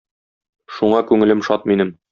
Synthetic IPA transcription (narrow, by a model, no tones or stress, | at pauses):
ʃuɴɑkʉŋɘ̆lɘmʃɒt̪̚minɘm